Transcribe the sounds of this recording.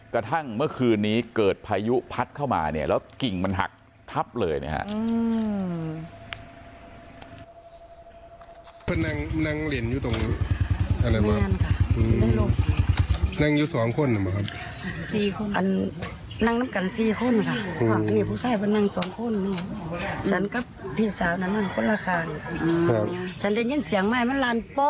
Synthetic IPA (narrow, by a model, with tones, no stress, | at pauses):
kɾa˧t̪ʰa˥˩ŋmɯ˥˩ɐkʰɯː˧nːiː˦˥kɤː˨˩t̪̚pʰaː˧ju˦˥pʰa˦˥t̪̚kʰa˥˩wma̰ː˧ni˦˩ɐlɛː˦˥wki˨˩ŋma˧nɦa̰˨˩k̚ | t̪ʰa˦˥p̚lɤː˧jna̰˧˥˩kʰa̰˧˥ʔɯː˧ | pʰa˧nːa˧ŋ˧na˧ŋle˨˦njuː˧t̪o˨˩ŋ | ʔa˧la˧jaː˧˦a˧˨nkʰa˧˩ɯː˧na˧˥˨lo˧˩ma˧˩na˧˨ŋjuː˧sɔː˨˦ŋkʰo˧˥˨nːa˨˩bɔ˨˦kʰa˧p | siː˧˩kʔa˨n | na˧˨ŋna˧˨mka˨nsiː˧˨kʰo˧˥˨nkʰa˧˩aː˧˨a˧ŋiː˧˩pʰuː˧˥˨saː˧˩jpʰɯ˧˨na˧ŋ˧sɔː˨˦ŋkʰo˧˥˨nːiː˧˩t͡ɕʰa˧˥nka˧˦p̚pʰi˧˥˩saː˨˦wna˧˨nma˧˩˨kʰo˧˥˨nlaː˧˩kʰaː˧˩˨n˨ʔa˧t͡ɕʰa˦˥nda˧˩jɲe˧˥˨nsi˨˦əŋma˧˨jma˧˥˨nlaː˧˩˨npɔ˧˥